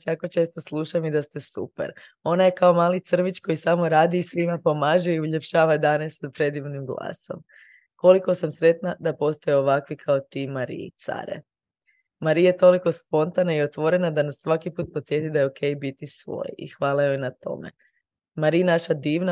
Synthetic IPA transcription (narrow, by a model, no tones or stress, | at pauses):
sjako̞t͡ʃe̞ːst̪oslˠuʃamid̪ast̪e̞sṵpḛɾ | o̞naje̞kao̞maːlit̪sr̩ʋit͡ʃko̞jisamo̞ɾaːd̪iːsʋimapo̞maːʒeiuʎe̞pʃaːʋad̪anesapɾe̞d̪ibnimɡlˠa̰ːso̞̰m | ko̞liko̞samsɾe̞t̪nad̪apo̞st̪ojeo̞ʋakʋikʰaot̪iːmaɾḭit̪sa̰ɾḛ | maɾijajet̪o̞liko̞spo̞nt̪anaio̞t̪ʋo̞ɾe̞nad̪anasːʋakipuːt̪̚po̞t̪sʲje̞t̪id̪ajeo̞kʰe̞jbit̪isʋo̞̰ːjḭxʋaːlˠajojnat̪o̞̰mḛ | maɾinaʃad̪iːʋna